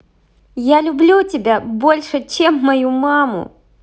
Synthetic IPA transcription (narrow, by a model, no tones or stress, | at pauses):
jalʲʊblʲutʲɪbʲabolʲʂɨt͡ɕemːɐjumamʊ̰